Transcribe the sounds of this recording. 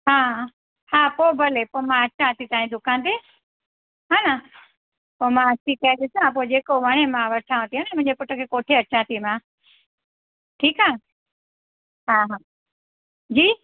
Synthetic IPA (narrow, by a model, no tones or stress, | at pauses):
ɦãː | hãːpoːbʱəlepoːmãɐt͡ʃãt̪it̪aːĩd̪ʊkãːnd̪eː | ɦaːna | poːmãt͡ʃʰikɐjaɗɪsãːp̬od͡ʑeːkoʋəɽ̃emãːʋəʈʰãːʋə̃t̪iɦanemʊ̃ɦɪ̃d͡ʑepʊʈəkʰeːkoːʈʰeət͡ʃãːt̪ʰimãː | ʈʰiːkaː | ɦãːɦãː | d͡ʑiː